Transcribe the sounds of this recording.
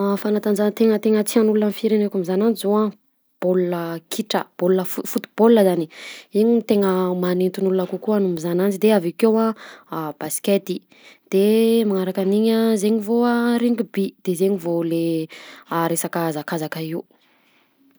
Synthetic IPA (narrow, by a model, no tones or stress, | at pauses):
fanat̪and͡ʒant̪eŋət̪eŋət͡sianulunanfiɾenekamizanand͡ʒzowã | b̥olunəkʰiʈ͡ʂə̰b̥olunəfufut̪u̥b̥olːəzaniiɲit̪eŋəmanent̪unulunakukuanumizanand͡ʒid̪eavikewã | b̥asket̪i | d̪̥emaŋaɾakaniɲazeɲivoaɾiŋɡubid̪̥ezeɲivole | aɾesakazakazakaiu